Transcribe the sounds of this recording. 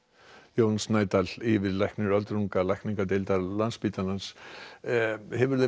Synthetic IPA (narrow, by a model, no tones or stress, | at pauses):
joːwnsnaːjt̪alɪvɪɾlajhknʏɾœlt̪ɾuŋkalajhkniŋkat̪ejlt̪aɾlanspit̪alans | hɛvʏɾðe